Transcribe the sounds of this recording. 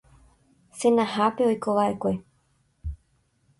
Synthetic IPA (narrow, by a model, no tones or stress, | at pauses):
senahapeojkoʋaekwe